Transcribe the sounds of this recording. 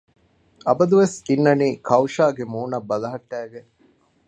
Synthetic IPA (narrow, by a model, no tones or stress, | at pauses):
ɐbɐd̪uʋesinːɐniːkʰɐwʃaːɡemuːnɐbːɐlɐɦɐʈːæːɡe